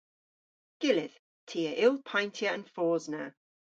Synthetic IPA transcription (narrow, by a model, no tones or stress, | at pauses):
ɡ̥ɪlɪð | tʰiəʔɪlˠpʰãɪ̃ntʰjəə̃nfɔːznə